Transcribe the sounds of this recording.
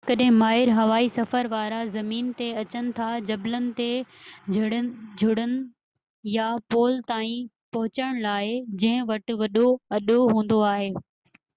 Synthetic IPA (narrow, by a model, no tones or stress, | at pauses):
kɐɗɦɪ̃maːɦɪɾɦɐʋaːisɐfəɾʋaːɾazɐmiːnt̪eɐt͡ɕənɪ̆t̪ʰad͡ʑɐblənɪ̆t̪ed͡ʑʱʊɽəd͡ʑʱʊɽənɪ̆ | japoːlt̪aːĩ | pɐɦʊt͡ɕəɽ̃laːɦed͡ʑɐ̃ɦɪ̃ʋɐʈɪ̆ʋɐɗoɐɗoɦũːn̆d̪oaːɦeː